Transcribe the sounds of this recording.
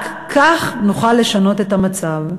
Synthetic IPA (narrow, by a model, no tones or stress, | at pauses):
k | kʰaχnuχalːe̞ʃano̞te̞tamat͡sav